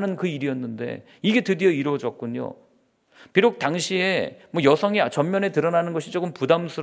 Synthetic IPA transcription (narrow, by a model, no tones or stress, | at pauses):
nɯnkɯiɾijʌnːɯnde̞̰ | iɡe̞tɯdijʌiɾwʌd͡ʑʌk̚k͈uɲo̰ | piɾok̚taŋɕʰie̞mwʌjʌsʰʌŋiat͡ɕʌmmjʌne̞tɯɾʌnanɯnɡʌɕʰit͡ɕ͈okɯmpudamsʰuɾ